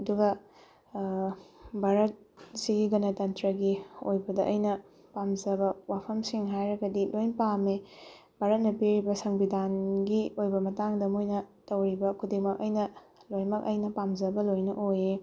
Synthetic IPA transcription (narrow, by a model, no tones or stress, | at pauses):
ɐduɡɐ | bʱaɾɐt̚ | siɡiɡɐnɐtɐntɾɐɡiojbɐdɐʔɐjnɐ | pamzɐbɐwapʰɐmsiŋɦajɾɐɡɐdilojnpame | bʱaɾɐt̚nɐpiɾibɐsɐŋbidanɡiojbɐmɐtaŋdɐmojnɐtɐwɾibɐkʰudimɐk̚ɐjnɐlojnmɐk̚ɐjnɐpamzɐbɐlojnɐʔoje